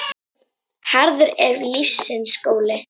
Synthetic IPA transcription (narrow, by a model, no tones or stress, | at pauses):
haɾðʏɾɛɾlisːɪnskoːwlɪ